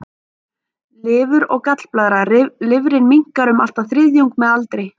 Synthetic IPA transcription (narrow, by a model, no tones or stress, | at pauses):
lɪːvʏɾɔɣkat̪l̥plaːðɾalɪvɾɪnmiŋ̥kaɾʏmal̥t̪awθɾɪðjuwŋk̚mɛðalt̪ɾɪ